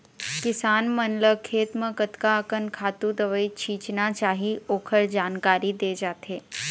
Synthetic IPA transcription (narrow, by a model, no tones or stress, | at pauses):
kɪsaːnmənləkʰeːt̪məkət̪kaəkənkʰaːt̪ud̪əʋəit͡ʃʰiːt͡ʃnat͡ʃaːɦioːkʰəɭd͡ʒaːnkaɾid̪eːd͡ʒaːt̪ʰeː